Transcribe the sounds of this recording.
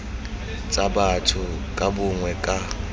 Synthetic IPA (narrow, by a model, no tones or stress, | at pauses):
t͡sʼabatʰʊ | kʼabʊŋwɛkʼa